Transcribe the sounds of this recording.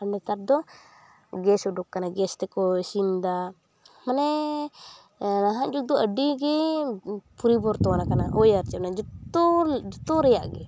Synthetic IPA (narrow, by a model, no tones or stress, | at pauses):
anɛt̪ardɔ | ɡɛsɔdukːanaɡɛst̪ɛkɔsind̪a | manɛ | naɦaʔd͡ʒuk̚d̪ɔadiɡɛ | puɾibɔrt̪ɔanakanaʔɔjart͡ʃanad͡ʒut̪ɔd͡ʒut̪ɔɾɛjaʔɡɛ